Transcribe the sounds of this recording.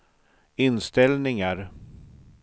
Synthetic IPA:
ɪnst̪ɛlnɪŋaɾ

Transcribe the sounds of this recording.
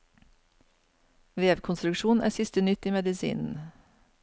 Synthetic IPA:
ʋeːʋkʰʊnst̪ɾʉkʃuːn̩ʔæ̰ːsɪst̪ənʏt̪iːmɛd̪ɪsḭːnn̩

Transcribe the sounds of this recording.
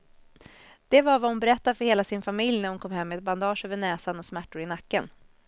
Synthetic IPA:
d̪̥ɛvaɾvahʊnbɛɾɛt̪ːaɾfœɾheːlasɪnfamɪljnæɾhʊnkʰɔmhɛmːɛɛt̪̚band̪ɑːʂøːvəɳɛːsanɔsmæʈːʊɾɪnakːən

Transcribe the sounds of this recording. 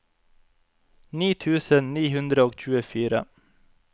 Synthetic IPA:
niːt̪ʰʉːsənniːhʉnd̪ɾəoːɡc͡çʉːəfyːɾə̰

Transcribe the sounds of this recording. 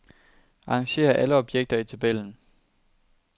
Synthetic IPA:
ɑ̈ːŋɕe̝̰ːɐʔæləɒ̽b̥jeɡ̥̚d̥ɐit͡sʰæb̥el̰n̩

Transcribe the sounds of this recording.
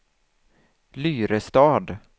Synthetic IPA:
lyːɾəst̪ɑːd̪

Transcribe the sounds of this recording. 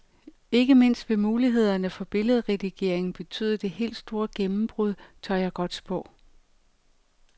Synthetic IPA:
e̝ɡ̥əme̝n̰sd̥ʋe̝muːliɦe̝ð̞̰ˠɐnəfɒ̽b̥e̝ləð̞ˠʁɛd̥iɡ̥e̝ɐ̰e̝ŋn̩b̥e̝t͡sʰy̰ːðˠɐd̥e̝he̝̰ːld̥sd̥o̝ːɐɡ̥emm̩b̥ʁuðˠt͡sʰɑjɑ̈ɡ̥ɒ̽d̥sb̥ʰɔ̽

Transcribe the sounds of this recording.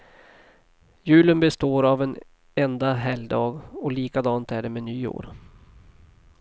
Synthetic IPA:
jʉ̟ːlənbɛst̪oːɾavɛn | ɛnd̪aɦɛld̪ɑːɡɔliːkad̪ɑːnt̪æɖɛmɛnyːo̰ːɾ

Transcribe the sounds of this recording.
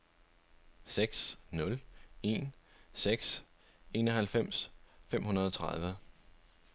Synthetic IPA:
seɡ̥snɔ̽le̝̰ːnseɡ̥s | e̝ːnɒɦælfem̰sfem̰hunɐð̞̩ˠɒ̽t͡sʰʁɑð̞ˠʋə

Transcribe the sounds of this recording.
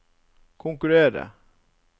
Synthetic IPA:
kʰɔŋkɵɾeːɾə̰

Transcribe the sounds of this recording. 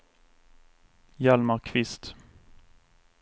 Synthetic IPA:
jɑlməʁkʰʋɪst̪

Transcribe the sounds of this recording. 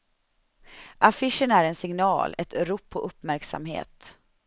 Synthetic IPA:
ʔafɪʂənæɾɛnsɪŋnɑ̰ːlɛt̪ɾuːpʰːɔʔɵpːmæɾksa̰mɦḛːt̪

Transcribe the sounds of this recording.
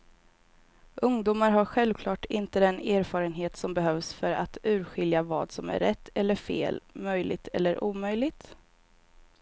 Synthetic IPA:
ʔɵŋd̪uːmaɾɦaɾɧɛlvkʰlɑːʈɪnt̪əd̪ɛneːɾfɑːɾənɦeːt̪sɔmbɛɦœvsfœɾa̰t̪ʉ̟ːɾɧɪljavɑ̰ːd̪sɔmæ̰ɾːɛt̪ʰːɛlːəɾfḛːlmœjlɪ̰ɡ̚t̪ʰɛ̰lːəɾʔuːmœjlɪɡ̚t̪

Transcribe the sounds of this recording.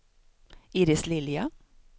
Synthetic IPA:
iːɾɪslɪljɑ

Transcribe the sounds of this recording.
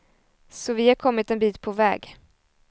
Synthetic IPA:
sɔvɪhaɾkʰɔmːɪt̪ɛnbiːt̪pʰɔvɛ̰ːɡ

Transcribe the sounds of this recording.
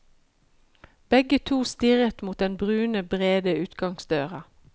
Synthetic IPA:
b̥ɛɡət̪ʰuːst̪ɪʁət̪muːt̪̚d̪ɛnbʁʉːnəbʁeːd̪əʉːt̪ɡɑŋsd̪øːʁɑ

